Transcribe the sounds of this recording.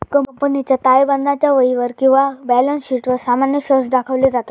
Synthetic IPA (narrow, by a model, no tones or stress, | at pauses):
kəmpənit͡ɕjat̪ajbənd̪ʱat͡ɕjaʋəjiʋəɾkĩw̃ʋabɛlənsɕiːʈʋəɾsamanjəɕəsd̪akʰəʋlid͡zat̪a